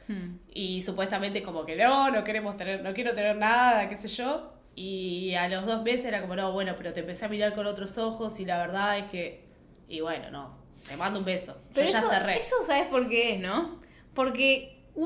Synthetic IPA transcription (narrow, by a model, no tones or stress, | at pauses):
isupwe̞st̪ament̪eko̞moke̞nono̞ke̞ɾemost̪eneɾno̞kjeɾot̪e̞neɾnaðakeseʒo | ialo̞ɦðo̞zme̞s̬eseɾako̞mo̞noβwe̞no̞pe̞ɾot̪empe̞seamiɾaɾko̞not̪ɾosoxo̞silaβeɾð̞ae̞ske̞ | ḭβweno̰no̰ | t̪emãnd̪oumbesoʒ̥eɾoeʒasoeresosaβehpo̞ɾkeesno | po̞ɾke | u